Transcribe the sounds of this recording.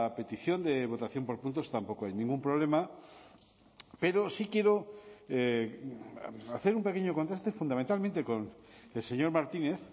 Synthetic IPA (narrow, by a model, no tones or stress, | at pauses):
ape̞t̪iθjo̞nd̪eβ̞o̞t̪aθjo̞mpo̞ɾpunt̪o̞st̪ampo̞koajnĩŋɡumpɾoβ̞le̞ma | peɾosikje̞ɾo | aθe̞ɾumpe̞keɲokont̪ɾast̪efund̪amẽnt̪almẽnt̪eko̞nelse̞ɲo̞ɾmaɾt̪ineθ